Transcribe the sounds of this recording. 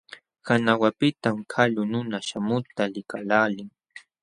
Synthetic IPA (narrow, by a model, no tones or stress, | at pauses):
kanawapɪt̪amkʰaʎʊnʊnaʃamʊt̪alɪkalaːlɪŋ